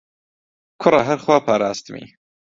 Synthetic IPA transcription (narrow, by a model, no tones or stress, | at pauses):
kʰʊrˤɐɦɐɾxwaːpʰaːɾaːst̪ɨmḭː